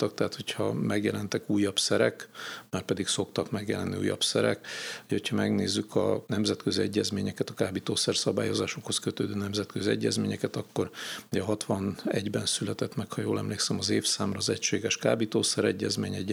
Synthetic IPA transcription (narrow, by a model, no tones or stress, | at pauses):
t̪ɒk̚t̪ɛɦaːt̪ho̞chɒmɛɡjɛlɛnt̪ɛkuːjːɒpsɛɾɛkmaːrpɛd̪ikso̞kt̪ɒkmɛɡjɛlɛnːiṵːjːɒ̰psɛɾɛ̰khocʰhɒmɛɡneːzːykʰɒ̰nɛmzɛt̪køziɛɟːɛzmeːɲɛkɛt̪ɒkaːbit̪oːsɛrsɒba̰ːjo̞zaːʃo̞kho̞skøt̪øːd̪øːnɛmzɛt̪køziɛɟːɛzmeːɲɛkɛt̪ɒkːo̞ruɟɛɦɒt̪ʋɒnɛɟbɛnsylɛt̪ɛt̪mɛkhɒjoːlɛmleːksɛmɒzeːfsaːmrɒːzɛcʃeːɡɛʃkaːbit̪oːsɛɾɛɟːɛzmeːɲɛɟ